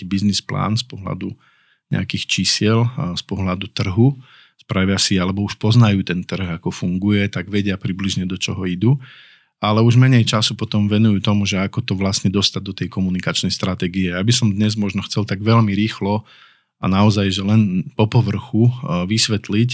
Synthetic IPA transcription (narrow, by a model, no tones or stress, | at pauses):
ibiznispla̰ːnspɔɦla̰d̪u | ɲɛ̰akixt͡ʃisɪɛlspɔɦlad̪ut̪r̩ɦu | spɾaʋɪasialɛbɔuʃpɔznajuːt̪ɛnt̪r̩ɣakɔfuŋɡujɛt̪aɡʋɛɟɪapɾibliʒɲɛd̪ɔt͡ʃɔɦɔid̪u | alɛuʒmɛɲɛjt͡ʃasupɔt̪ɔmʋɛnujuːt̪ɔmuʒɛakɔt̪ɔʋlasɲɛd̪ɔst̪ad̪ɔt̪ɛjkɔmunikat͡ʃnɛjst̪ɾat̪ɛɡiɛjaːbisɔmd̪ɲɛzmɔʒnɔxt͡sɛlt̪aɡʋɛlmiɾiːxlɔ | a̰naɔzajʒɛlɛnpɔpɔʋr̩xuʋisʋɛt̪lic